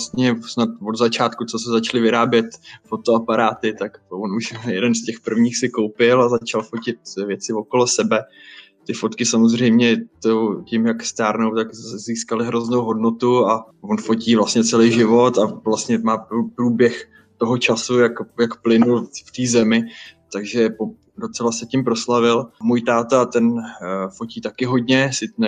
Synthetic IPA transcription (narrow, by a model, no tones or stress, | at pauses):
st̪ɲɛsnat̪̚vo̞d̪zat͡ʃaːt̪kut͡sosɛzat͡ʃlɪvɪɾaːbjɛt̪fo̞t̪oapaɾaːt̪ɪt̪akvonuʃjɛdɛnscɛxpr̩vɲiːxsɪkowpɪlazat͡ʃalfo̞cɪt̪vjɛt͡sɪvokolosɛbɛ | t̪ɪfo̞t̪kɪsamozrɛjmɲɛt̪owcimjakst̪aːɾno̞wt̪akziːskalɪɦɾoznowɦo̞dnot̪ua | vo̞nfo̞ciːvlastɲɛt͡sɛlijʒɪvo̞t̪avlast̪ɲɛmaːupɾuːbjɛx | t̪o̞ɦo̞t͡ʃasujakjakplɪnulft̪iːzɛmɪt̪aɡʒɛpo | do̞t͡sɛlasɛcɪmpɾo̞slavɪlmuːjt̪aːt̪at̪ɛnfo̞ciːt̪akɪɦo̞dɲɛsɪnɛ